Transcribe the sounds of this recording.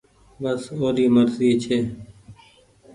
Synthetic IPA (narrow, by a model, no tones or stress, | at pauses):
bəsoːɾiːməɾziːt͡ʃʰeː